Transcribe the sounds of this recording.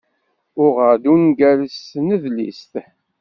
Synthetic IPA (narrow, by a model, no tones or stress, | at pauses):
ʊʁəɾd̪unɡæləsnəðlḭst̪